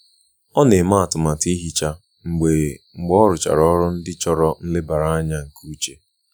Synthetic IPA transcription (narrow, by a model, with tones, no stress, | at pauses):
ɔ˦ne˨ma˦a˨tʊ˨ma˨ti˦ɦi˦t͡ʃa˦ | ŋ͡m̩˨ɡ͡be˨ŋ͡m̩˨ɡ͡bɔ˦ɾʊ˨t͡ʃa̰˨ɾɔ˦ɾʊ˦n̩˦dɪ˦t͡ʃɔ˦ɾɔ˦n̩˦lɪ˦ba˨ɾa˦a˦ɲa˦ŋ̩˨kʰu˦t͡ʃe˦